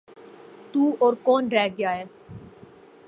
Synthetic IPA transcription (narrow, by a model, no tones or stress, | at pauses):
t̪uːoːɾkoːnɾɛːɡjaːeː